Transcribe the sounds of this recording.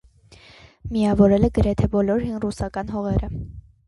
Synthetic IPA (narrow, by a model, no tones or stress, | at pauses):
miɑvɔɾɛləɡəɾɛt̪ʰɛbɔlɔɾɦinrusɑkɑnɦɔʁɛɾə